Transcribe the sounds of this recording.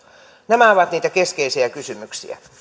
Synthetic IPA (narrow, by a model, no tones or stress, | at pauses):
næmæoʋɑt̪niːt̪ækeskeisiækysymyksḭæ̰